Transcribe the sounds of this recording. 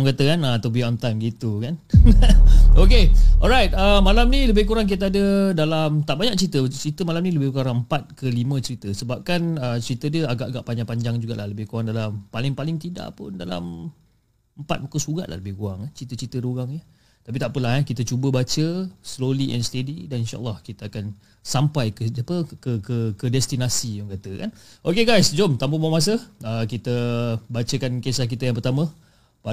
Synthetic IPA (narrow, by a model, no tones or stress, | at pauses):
aŋkat̪əkanat̪abiamt̪ajmɡit̪ukan | okeʔɔ̰lɾajt̪̚əmalamniləbɪhkuɾaŋk̬it̪əadədalamt̪aʔbaɲak̚t͡ʃəɾit̪ət͡ʃəɾit̪əmalamniləbɪhkaɾaŋəmpat̪̚kəlimə̃t͡ʃəɾit̪əsəbap̚kanət͡ʃəɾit̪ədiəaɡaʔɡaʔpaɲãpaɲd͡ʒaŋd͡ʒuɡaʔlaləbɪhkuɾaŋdalampalɪŋpalɪŋt̪ida̰ʔpʊ̰ndala̰m | əmpat̪̚mukusuɡa̰ʔlʔa̰hləbɪhkuaŋant͡ʃit̪ət͡ʃit̪əɾuɡaŋɲə | t̪ap̬it̪aʔpəlahɛkit̪ət͡ʃubəbat͡ʃəsloliʔɛ̰nsledidaninʃa̰ʔlːɑhkit̪əakan | sampajkəapəkəkəkədɛst̪inasijʊŋkat̪əka̰nʔokeɡajsd͡ʒomt̪ampumamas̬əəkit̪əbat͡ʃəkankesahk̬it̪əjaŋp̬ərt̪amə̃ | pa